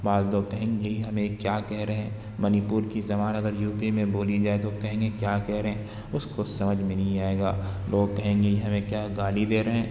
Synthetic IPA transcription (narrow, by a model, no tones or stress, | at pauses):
baːd̪loːɡ̚kɐɦẽːŋɡeɦɐmẽkjaːkɛɦɾɐɦɛ̃ː | mɐnipʊːɾkizɐmaːnɐɡəɾjuːpimẽboːlid͡ʒaːet̪okɐɦẽːŋɡekjaːkɛɦɾɐɦẽ | ʊskosɐməd͡ʒʱmɪnĩaːeːɡa̰ːlʔoːɡkɐɦẽːŋɡeiɦɐmẽkjaːɡaːlid̪eːɾɐɦɛ̃ː